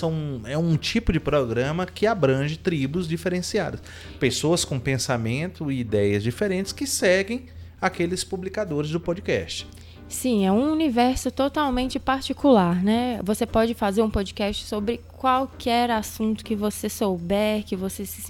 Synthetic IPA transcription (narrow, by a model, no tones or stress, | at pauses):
sɐ̃w̃ɛũt͡ʃipʊd͡ʒɪpɾɔɡɾɐ̃mɐkɪabɾɐ̃ʒɪt̪ɾibʊzd͡ʒifeɾẽsia̰d̪ɐs | pesoɐskõpẽsamẽnt̪ʊɪid̪ɛjɐzd͡ʒifeɾẽnt͡ʃɪ̥skɪsɛɡẽj̃akelɪspublikad̪oɾɪzd̪ʊpɔd͡ʒikɛ̰st͡ʃɪ̥ | sĩɛũunivɛɾsʊt̪ot̪awmẽnt͡ʃɪpaɾt͡ʃikulaɾnɛvosepɔd͡ʒɪfazeɾũpod͡ʒikɛst͡ʃɪ̥sobɾɪkwawkʰɛɾasũnt̪ʊ̥kɪvosesowbɛɾkɪvoses